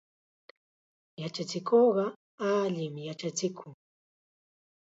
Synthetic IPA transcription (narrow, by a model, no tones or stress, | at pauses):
jat͡ʃat͡sɪkʰoɢɑ | aʎɪmɪjat͡ʃat͡ʃɪkʰʊŋ